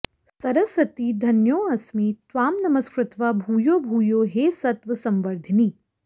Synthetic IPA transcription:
sɐɾɐsɾɐt̪iːd̪ʱɐnjoːɐsmiːt̪ʋaːmnɐmɐskɾɪt̪ʋɐbʱuːjoːbʱuːjoːɦeːsɐt̪ʋɐsɐmʋɐɾd̪ʱɐniː

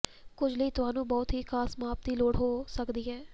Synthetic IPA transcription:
kʊd͡ʒʱləiːt̪ʊɦaːnũːbɔːt̪ɦiːkʰaːsmaːpt̪iːloːɽɦoːsəkd̪iːɦɛː

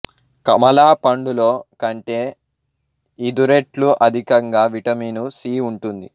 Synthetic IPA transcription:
kɐmɐlaːpɐɳɖuloːkɐɳʈe̞ː | id̪uɾeʈluʔɐd̪ʱikɐŋɡaːʋiʈɐmiːnusiːuɳʈund̪i

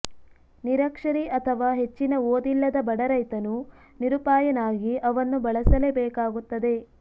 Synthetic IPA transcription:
niɾɐkʂɐɾiɐt̪ʰɐʋaːɦe̞t͡ʃːinɐoːd̪ilːɐd̪ɐbɐɽɐɾɐjt̪ɐnu | niɾupaːjɐnaːɡiʔɐʋɐnːubɐɭɐsɐlebɛːkaːɡut̪ːɐd̪e̞

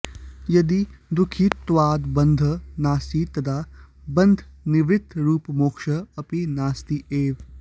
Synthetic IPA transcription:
jɐd̪id̪ukʰiːt̪ːʋaːd̪bɐnd̪ʱɐnaːsit̪ɐd̪ʰaːbɐnd̪ʱniʋɾɪt̪ɾuːpmoːkʃɐɐpinaːst̪ieːʋ

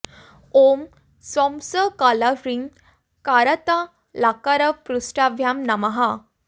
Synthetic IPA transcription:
om | sɔmsəkalafɾiŋ | kaɾət̪a | lakaɾəpɾusʈabʱjamnamaɦa

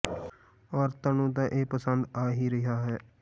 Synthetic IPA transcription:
ɔːɾt̪aːnũːt̪̬ãːʔeːpəsənd̪aːɦiːɾɪɦaːɦɛː

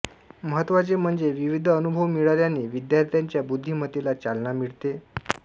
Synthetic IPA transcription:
məɦət̪ːʋat͡sem̤əɳd͡zeʋiʋid̪ʱənubʱəʋmiɭaɾjaneːʋid̪jaɾt̪ʰjaɲt͡ɕjabud̪ʱːimət̪ilat͡salnamiɭt̪e

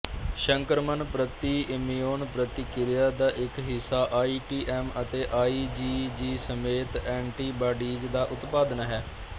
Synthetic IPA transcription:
ʃəŋkəɾmənpɾət̪iːɪmijoːnpɾət̪iːkɪɾɪjaːd̪aːʔɪkɦɪsːaːʔaːiːʈiːʔɛːmət̪eːʔaːiːd͡ʒiːd͡ʒiːsəmeːt̪ɛ̃ːɳʈiːbaːɖiːd͡ʒd̪aːʔʊt̪paːd̪ənɦɛː

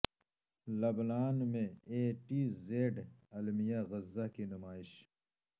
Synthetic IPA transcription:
lɐbnaːnmẽeːʈizeːɖɐlmijaɣɪzːakinʊmaːɪɕ

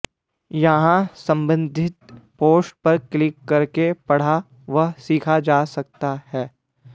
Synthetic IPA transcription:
jɐɦãsɐ̃mbə̃nd̪ʱɪt̪poːsʈ̚pɐɾklɪkːɐɾkepɐɽ̤a | ʋɐɦsiːkʰad͡ʒaːsɐk̚t̪ahɛː

